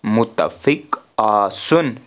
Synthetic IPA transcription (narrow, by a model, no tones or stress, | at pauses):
mʊt̪ːa̰fɪkasʊn